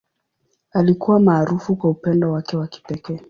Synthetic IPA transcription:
alikuwamaːɾufukwaupɛndɔwakɛwaki̥pɛkɛː

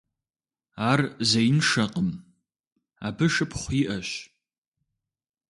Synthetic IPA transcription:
arzejnʂɐqʼəm | abɨʂɨpʰχʷiʔɐʃ

